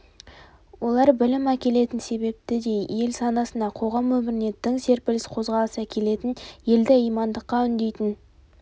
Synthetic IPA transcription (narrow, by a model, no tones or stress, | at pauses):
wo̞lˠɑɾbɪlɪmækʲe̞le̞t̪ɪnse̞be̞p̚t̪ɪd̪e̞jje̞lsɑnɑsənd̪ɑqʰo̞ʁɑmːɵmɪɾɪne̞t̪ːɪŋse̞ɾpɪlɪsqʰo̞zʁɑlˠəsækʲʰe̞le̞t̪ɪnje̞ld̪ɪijmɑnd̪əqːɑʏnd̪e̞jt̪ɪn